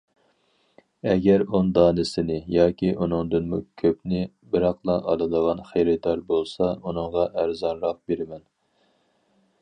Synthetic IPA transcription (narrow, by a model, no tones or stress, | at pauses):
ɛɡʲɛɾund̪ɑːnɪsɪnɪjɑːkʲiʔunɨŋd̪ɨnmukʲʰøpnɪ | bɪɾɑqlˠɑʔɑ̰lˠɨd̪əʁɑnχejɾɪd̪ɑɾbolˠsɑunɨŋʁɑʔæɾzɑnɾɑq̚beɾɪmɛn